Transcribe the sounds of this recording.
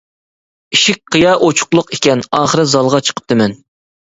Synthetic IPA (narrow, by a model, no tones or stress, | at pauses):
iʃik̚ʲqʰɨjɑʔot͡ʃʰʊ̥qlˠʊqekʲɛnɑːχəɾɨzɑlˠʁɑt͡ʃʰə̥qʰə̥p̚t̪ɨmɛn